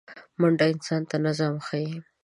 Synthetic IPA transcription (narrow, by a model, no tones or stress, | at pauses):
mʊɳɖaɪnsɑnt̪anazamxaji